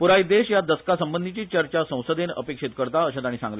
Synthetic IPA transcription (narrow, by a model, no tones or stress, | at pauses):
puɾajid̪eɕjad̪əskasəmbənd̪ʱit͡ɕiːt͡ɕəɾt͡ɕasə̃w̃səd̪enə̰pekʂit̪kəɾt̪aəɕat̪aɽ̃iːsãŋɡle